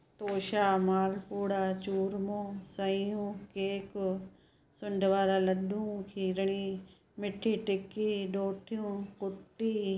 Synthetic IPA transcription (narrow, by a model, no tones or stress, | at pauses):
t̪oːʃaːmaːlpuːɽaːt͡ʃuːɾmõːsəijũːkeːk | sʊɳɖʱʋaːɾalɐɗũːkʰiːɾɳ̃iː | mɪʈʰːiːʈɪkiːɗoːʈʰijũːkʊʈːiː